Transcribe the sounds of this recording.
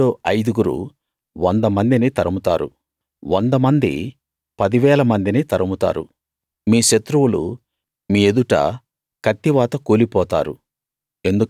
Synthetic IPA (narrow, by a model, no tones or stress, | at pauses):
oːɐjd̪uɡuɾṵ | ʋɐnd̪ɐmɐnd̪init̪ɐɾɐmut̪a̰ːɾṵ | ʋʔond̪ɐmɐnd̪ḭ | pɐd̪iʋɛːlɐmɐnd̪init̪ɐɾɐmut̪a̰ːɾṵ | miːʃɐt̪ɾuwulṵ | miːed̪uʈɐ̰ | kɐt̪ːiʋaːt̪ɐkoːlipɔːt̪a̰ːɾṵ | e̞nd̪u